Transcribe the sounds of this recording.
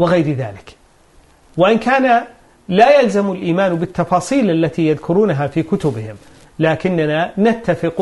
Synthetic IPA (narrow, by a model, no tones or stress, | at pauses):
wɪɣajɾða̰ːlɪk | waʔɪnkaːna | laːjalzamalʔiːmaːnbɪt̪ːɑfɑːsˤiːlʔalːat̪ijaðkʰʊɾuːnaɦafiːkʊt̪ʊbɪhɪm | laːkɪnːananat̪ːafɪq